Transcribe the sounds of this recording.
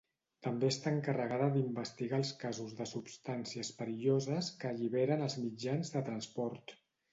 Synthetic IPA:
t̪əmbeəst̪aəŋkərəɣaðəðimbəst̪iɣaəlˠskazuzðəsupst̪ansiəspəɾiʎozəskəʎiβ̞eɾənəlˠzmid͡ʒanzðət̪ɾənspɔɾt̪

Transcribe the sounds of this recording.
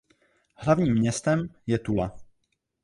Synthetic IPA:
hlavɲiːmːɲɛst̪ɛmjɛt̪ula

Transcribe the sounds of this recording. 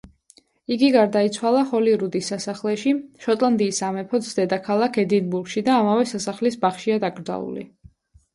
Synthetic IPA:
iɡiɡaɾd̪ait̪sʰwalˠaχɔliɾud̪isːasaχlɛʃiʃɔt̪ʼlˠand̪iːsamɛpʰɔt̪sd̪ɛd̪akʰalˠakʰɛd̪inbuɾɡʃid̪aːmavɛsasaχlisbaχʃiad̪aɡɾd̪za̰ṵlḭ

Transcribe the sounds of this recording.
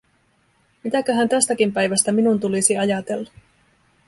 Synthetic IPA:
mit̪ækøɦænt̪æst̪ækimpæjʋæst̪æminunt̪ulisiɑjɑt̪e̞lːɑ

